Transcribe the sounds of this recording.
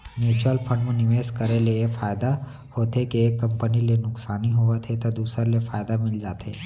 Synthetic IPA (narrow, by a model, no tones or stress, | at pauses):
njuːt͡ʃɾəlpʰə̃ɳɖmẽnɪʋeːskɐɾeleefaːjd̪a | hoːt̪ekieːkːɐ̃mpənilenʊksaːniɦoʋet̪ʰet̪od̪uːsɾelefaːjd̪amɪld͡ʒaːt̪ḛː